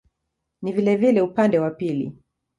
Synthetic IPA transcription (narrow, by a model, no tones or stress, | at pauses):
nivilɛvilɛupandɛwapilḭ